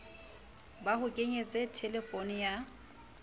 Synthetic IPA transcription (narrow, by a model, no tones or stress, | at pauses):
bahʊkʼeɲet͡sʼɛtʰɛlɛfonɪja